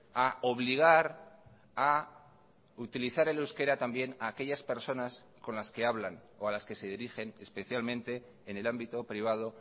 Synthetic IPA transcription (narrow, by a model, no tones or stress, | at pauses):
ao̞β̞liɣ̞aɾ | a | ut̪iliθaɾelewske̞ɾat̪ambje̞naːke̞ʎaspe̞ɾso̞nas | ko̞nlaske̞aβlan | o̞alaske̞se̞ð̞iɾixe̞nespe̞θjalmẽ̞nt̪e̞ː | ne̞lambit̪o̞pɾiβ̞að̞o̞